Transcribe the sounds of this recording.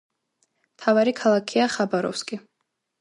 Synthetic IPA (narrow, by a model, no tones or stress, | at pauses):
mt̪ʰavaɾikʰalˠakʰiaχabaɾɔ̰fskʼi